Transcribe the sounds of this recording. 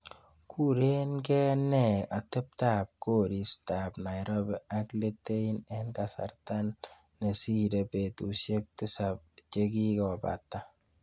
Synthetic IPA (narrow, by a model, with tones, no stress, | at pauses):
kʰu˦ɾe˦nkɛ˦nɛ˦a˨tɛ˦p̚ta˦p̚ko˦ɾi˨sta˨pna˨jɾo˦bɛa˦kle˦tːe˦i˦nɛnka˨sa̰˨rtanː | e˨si˦de˨pe˨tu˨sje˦k̚tɪ˦sap̚t͡ʃe˦ki˦kɔ˨ba̰˨tːa˦